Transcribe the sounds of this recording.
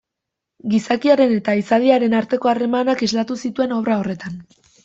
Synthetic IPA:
ɡisakiaɾe̞ne̞t̪aisaðiaɾe̞naɾt̪e̞ko̞are̞manakizlat̪usit̪ue̞no̞βɾao̞re̞t̪an

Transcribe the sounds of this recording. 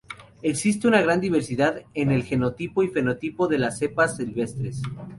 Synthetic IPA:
e̞ksist̪eunaɣɾand̪iβ̞e̞ɾsiðaðe̞ne̞lxe̞no̞t̪ipoife̞no̞t̪ipo̞ðe̞lase̞pasːilβe̞st̪ɾes

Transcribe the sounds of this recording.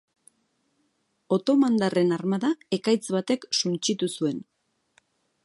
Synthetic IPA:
o̞t̪o̞mand̪are̞narmaðae̞kajt͡sβat̪e̞ksunt͡ʃit̪usue̞n

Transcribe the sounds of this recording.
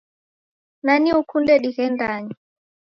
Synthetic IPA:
naniukundɛɗiɣɛndaɲi

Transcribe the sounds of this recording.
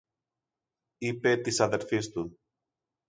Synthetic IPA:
ipet̪isɐðeɾfist̪un

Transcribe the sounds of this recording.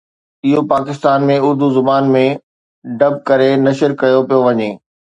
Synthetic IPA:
ɪɦopaːkɪst̪aːnmẽʊɾd̪ʱuzʊbaːnmẽ | ɖɐb̚kɐɾenɐʃəɾkɐjopijoʋɐɲeː

